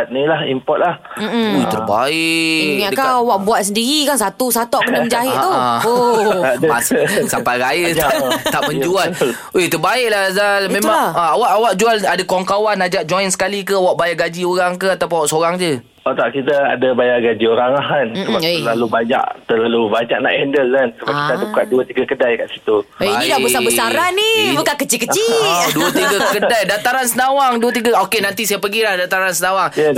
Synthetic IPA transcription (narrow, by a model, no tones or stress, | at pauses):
at̪̚nilahimpɔt̪̚lahm̩mojt̪ərba̰ɪʔʔakaawaʔbuaʔsəndiɾikansat̪usat̪ɔʔkənəməɲd͡ʒaɦɪʔt̪uo | massapaɾajət̪aʔ̪aʔməɲd͡ʒual | et̪ərbaɪʔ̚lahzalmẽmãaawaʔawaʔ̚d͡ʒualadakɔŋkawanad͡ʒaʔ̚d͡ʒɔjnsə̥kalik̬əawaʔbajaʔɡad͡ʒioɾaŋkəat̪ap̬ʊnawaʔsoɾaŋd͡ʒə | ot̪aʔkit̪aa̰dabajaɡad͡ʒioɾaŋaɦanssəbaəlalubaɲa̰ʔt̪ərlalubaɲaʔ̚na̰ʔɛndəlːansəbakit̪adabukaʔ̚duat̪iɡakədajkaʔsi̥t̪uinĩdabəsabəsaɾanibukankət͡ʃikət͡ʃiduat̪iɡakkədajdat̪aɾansənawaŋduət̪̬iɡaokenant̪isajapəɡilahdat̪aɾansənawaŋ